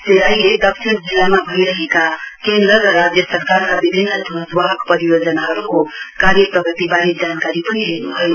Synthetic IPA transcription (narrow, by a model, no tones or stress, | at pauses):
seɾajed̪ʌksʰind͡zilːamabʱʌjɾəɦekakend̪ɾəɾʌɾad͡zjəsəɾkaɾɾʌbibʱinːəd̪ud̪waɦəkpʌɾijod͡ʒənaɦʌɾukokaɾjəpɾʌɡʱit̪ibaɾit̪̚d͡ʒankaɾipʌniɦenuɦʌjo